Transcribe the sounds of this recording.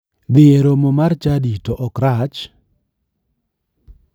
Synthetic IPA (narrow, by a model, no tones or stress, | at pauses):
d̪ɪeɾomomart͡ʃaditoʔɔkɾat͡ʃ